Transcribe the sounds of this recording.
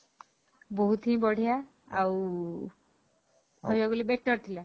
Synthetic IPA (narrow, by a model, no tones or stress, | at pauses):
boɦut̪ĩbɔɽ̤ʱijaː | w | hɔjaɡulibek̚ʈːɔɾt̪ʰila